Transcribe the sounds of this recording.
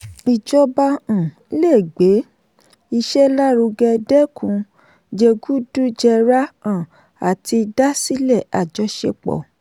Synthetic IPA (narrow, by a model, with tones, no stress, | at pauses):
i˨d͡ʒɔ˧bã˧˨˦le˦˨ɡ͡be˨˦ | i˧ʃɛ˦la˦ɾu˧ɡɛ˧dɛ˦kʰũ˨˧˦ | d͡ʒe˧ɡu˦du˦d͡ʒɛ˧ɾa˦ã˦˨ | a˨ti˧da˦si˦lɛ˦˨a˨d͡ʒɔ˧˦ʃe˧k͡pɔ̰˨